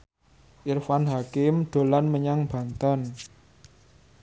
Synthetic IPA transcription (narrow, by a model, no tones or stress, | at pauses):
ʔirfanɦakɪmɖ̪̥o̤lanməɲaŋb̥a̤nt̪an